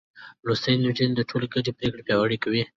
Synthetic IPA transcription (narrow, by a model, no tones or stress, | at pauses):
ɾust̪əjnud͡ʒind̪əʈʰoleɡaɖepɾekɽepjɑwaɽikawi